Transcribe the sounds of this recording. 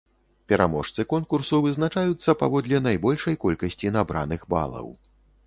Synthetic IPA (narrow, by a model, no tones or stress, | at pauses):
pʲɛɾamɔʂt̪sɨkɔnkursuvɨznat͡ʂajut̪sːɐpa̰vɔd̪lʲɛnajbɔlʲʂɐjkɔlʲkɐsʲt͡sʲinabɾanɨɣba̰lˠɐ̰w